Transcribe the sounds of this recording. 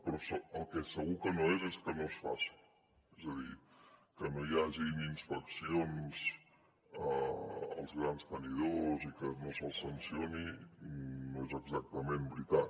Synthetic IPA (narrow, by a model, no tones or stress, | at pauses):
pɾɔsəəlˠkɛsəɣukənoezeskənosfa̰si̥ | ezəðikənojaʒininspəksionz̥ | əə̰lˠzɣɾanst̪əniðozikənosəlˠsənsioni | nːoezəɡzak̚t̪əmembɾit̪at̪